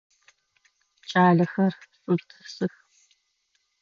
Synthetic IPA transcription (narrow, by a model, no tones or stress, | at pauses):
t͡ʃʼaːɮɐxɐrsʼɨmtʰɨ̥sɨx